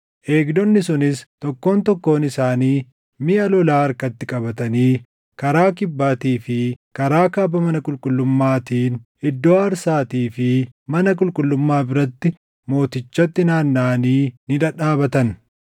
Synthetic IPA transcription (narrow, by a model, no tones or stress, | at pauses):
ʔe̞ːɡdɔnːɪsʊnɪst̪ɔkːo̞ːnt̪ɔkːo̞ːnɪsaːniː | mɪʔɐlɔlaːɐɾkɐt̪ːɪkʼɐbɐt̪ɐniː | kɐɾaːkɪbːaːt̪iːfɪkɐɾaːkaːbɐmɐnɐkʼʊlkʼʊlːʊmːaːt̪iːn | ɪd̪ːoːɐɾsaːt̪iːfɪmɐnɐkʼʊlkʼʊlːʊmːaːbɪɾɐt̪ːɪ | mo̞ːt̪ɪt͡ʃːɐt̪ːɪnaːnːaːniːnɪd̪ɐᶑaːbɐt̪ɐn